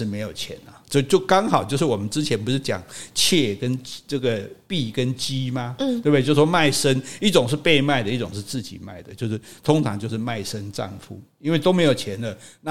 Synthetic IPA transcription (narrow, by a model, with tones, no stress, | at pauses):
ɻ̩˥˩me˧˥ɪjo˨˩ʊt͡ɕʰjɛ̰˧˦nɐ˨t͡ɕo˥˧t͡ɕjo˥˩ʊkɑ˥ŋxɑ˨˩ʊt͡ɕjo˥˧ʊʂɻ̩˥˩wɔ˨˩mə˦nʈ͡ʂɻ̩˥t͡ɕʰjɛ˧˥npu˧˥ʂɻ̩˥˩t͡ɕjɑ̰˨˩ŋt͡ɕʰjɛ˥˩kə˦nʈ͡ʂɤ˥˩ɡə˩pi˥˨kə˦nt͡ɕi˦˥ma˧t̪we˥˩be˥˧˩jo˥˧ʂ̩˥˩ʂwɔ˥ma˥˩ɪʂə˥ni˥˩ʈ͡ʂʊ˨˩ŋʂ̬ɻ̩˥˧pe˥˧ɪma˥˩ɪd̪ə˦i˥˩ʈ͡ʂʊ˨˩ŋʂɻ̩˥˧t͡sɹ̩˥˩t͡ɕḭ˨˩ma˥˩ɪd̪ə˩t͡ɕjʊʂɻ̩˥˩t̪ʰʊ˥ŋʈ͡ʂʰɑ̰˧˦ŋt͡ɕjo˥˧ʊʂɻ̩˥˧ma˥˩ɪʂə˦nʈ͡ʂɑ̰˥˨˩ŋfṵ˥˩i˥nwe˥˩ɪt̪o˥me˧˥ɪjo˨˩ʊt͡ɕʰjɛ˨˦nd̪ə˨na˥